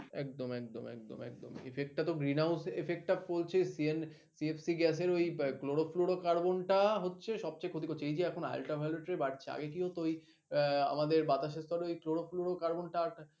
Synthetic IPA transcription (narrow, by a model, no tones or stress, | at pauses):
ɛk̚d̪omɛk̚d̪o̰mɛ̰k̚d̪o̰mɛ̰k̚d̪o̰mḛfʰek̚ʈʈːat̪oɡɾinawsefʰek̚ʈabolt͡ɕʰesien | siefsiɡɛs̬eɾojkloɽofloɽokaɾbonʈaɦotːɕʰeʃɔb̚t͡ɕajkʰot̪̬ikʰoɾːt͡ɕʰeejd͡ʑeɛkʰona̰lʈabʱaleʈɾebaʈt͡ɕʰea̰ɡek̬iot̪ooj | a̰mad̪eɾbat̪aʃ̬eɾst̪ɔɾeojkloɽofloɽokaɾbonʈaʈ